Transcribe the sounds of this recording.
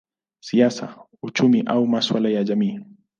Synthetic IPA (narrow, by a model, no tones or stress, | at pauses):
siasa̰ | ut͡ʃumiʔaumaswalajaʄamiː